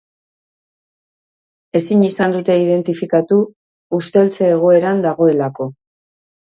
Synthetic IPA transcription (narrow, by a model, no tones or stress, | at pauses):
e̞siɲisand̪ut̪e̞ið̞e̞nt̪ifikat̪uː | st̪e̞lt͡se̞ːɣ̞o̞e̞ɾand̪aɣ̞o̞e̞lako̞